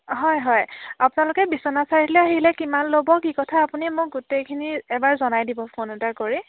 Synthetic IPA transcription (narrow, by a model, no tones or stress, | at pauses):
ɦɔjɦɔjapʊnalʊkɛbisɔnasaɹitlɛaɦilɛkimanlobɔkikɔtʰaːpunimʊɡutejkʰiniɛbaɹzɔnajdibɔpʰonɛtakoɹi